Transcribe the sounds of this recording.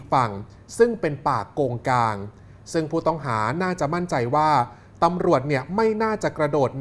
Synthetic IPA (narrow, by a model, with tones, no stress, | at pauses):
fa˨˩ŋ | sɯ˥˩ŋpe˧npaː˨˩kːoː˧ŋkaː˧ŋ | sɯ˥˩ŋpʰuː˥˩t̪ɔ˥˩ŋɦaː˩˦naː˥˩t͡ɕa˨˩ma˥˩nt͡ɕa˧jwaː˥˩ | t̪a˧mɾu˨˩ət̪̚ni˥˩əma˥˩jnaː˥˩t͡ɕa˨˩kɾa˧doː˨˩t̪̚